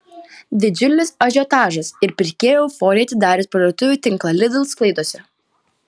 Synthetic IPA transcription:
d̪ʲɪd͡ʒʲʊlʲɪsɐʒʲoːt̪ɑːʒɐsɪɾpʲɪɾʲkʲeːjɛʊfoːɾʲiːɐt̪ʲɪd̪ɑːɾʲɪspɾɐd̪oːt̪ʊʋʲuːt̪ʲɪŋˑklˠɐlʲɪd̪ʲɪlˠsklˠɐɪd̪oːsʲɛ

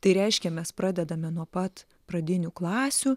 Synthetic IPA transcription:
t̪ɐɪɾʲɛɪʃʲkʲɛmʲɛspɾɑːd̪ʲɛd̪ɐmʲɛnuɔpɐt̪ | pɾɐd̪ʲɪnʲuklˠɑːsʲu

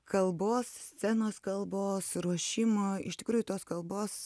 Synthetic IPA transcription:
kɐlˠboːssʲt͡s̪ʲɛnoːskɐlˠboːsɾuɔʃʲɪmoːɪʃtʲɪ̥kɾuːjʊt̪oːskɐlˠboːs

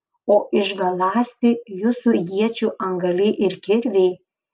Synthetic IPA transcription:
oːʔɪʒɡɐlˠɑːsʲt̪ʲɪjʊsʊjiɛt͡ʃʲuːʔɐŋɡɐlʲɪʔɪɾkʲɪɾʲʋʲeɪ

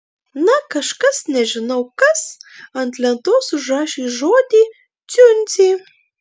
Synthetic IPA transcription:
nɐkɐʃkɐsnʲɛʒɪnɐwkɐsɐnt̪lʲɛnt̪oːsuʒɑːʃiʒoːd̪ʲi | t͡s̪ʲynʲt͡s̪ʲi

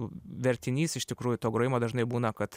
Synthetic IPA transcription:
ʋʲɛɾʲt̪ʲɪnʲiːsɪʃt̪ʲɪkɾuːjʊt̪oːɡɾoːjɪmoːd̪ɐʒnɐɪbuːnɐkɐt̪

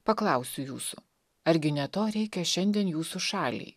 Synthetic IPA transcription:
pɐklˠɑˑʊsʲʊjuːsʊ | ɐɾʲɡʲɪnʲɛt̪oːɾʲɛɪkʲɛʃʲɛnʲd̪ʲiɛnjuːsuʃɑːlʲḭː

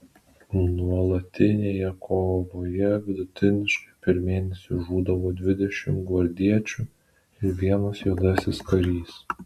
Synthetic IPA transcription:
nuɔlˠɐt̪ʲɪnʲeːjɛkʰoːʋoːjɛʋʲɪd̪ʊt̪ʲɪnʲɪʃkɐɪpʲɛɾmʲeːnʲɛsʲʊʒuːd̪ɐʋoːd̪ʲʋʲɪd̪ʲɛʃʲɪmɡʋɐɾʲd̪ʲiɛt͡ʃʲu | ɪɾʋʲiɛnosjud̪ɑːsʲɪskɐɾʲiːs

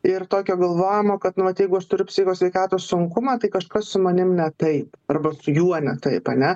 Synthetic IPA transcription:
ɪrt̪oːkʲoːɡɐlˠʋoːjɪmoːkɐt̪nʊʋɐt̪jɛɪɡʊɐʃt̪ʊɾʲʊpʲsʲɪxʲoːsʲʋʲɛɪkɑːt̪oːssʊŋkʊmɑːt̪ɐɪkɐʃkɐssʊmɐnʲɪmnʲɛt̪ɐɪpɐrbɐsʊjuɔnʲɛt̪ɐɪpɐnʲɛ

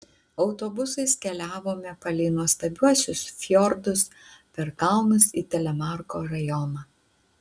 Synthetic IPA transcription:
ɒʊt̪oːbʊsɐɪskʲɛlʲæːʋoːmʲɛpɐlʲɛɪnuɔst̪ɐbʲuɔsʲʊsfʲjɔɾd̪ʊspʲɛɾkɐʊnʊsiːt̪ʲɛlʲɛmɑɾkoːɾɐjɔnɑː

